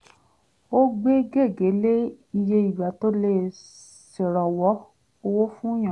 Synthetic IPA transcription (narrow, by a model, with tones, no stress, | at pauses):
o˦ɡ͡be˦ɡe˦˨ɡe˨˦le˦ | i˧je˧i˨ba˨˦to˦le˧ | se˨ɾɔ˨wɔ˨˦ | o˧wo˦fũ˦j̃ã˨